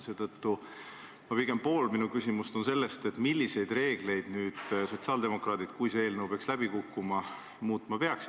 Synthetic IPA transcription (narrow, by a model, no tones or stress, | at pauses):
se̞ːt̪ɤt̪ːu | mɑpiɡ̥e̞mpo̞ːlminukysʲimust̪o̞nse̞lːe̞st̪e̞t̪ːˑmilʲːise̞jd̪̥re̞ːɡ̥le̞jd̪̥nyːd̪̥so̞t̪siɑːld̪e̞mo̞krɑːd̪̥id̪̥kujseeːlnəwpeɑkslæb̥ikukːumɑ | muːt̪ˑmɑpeɑks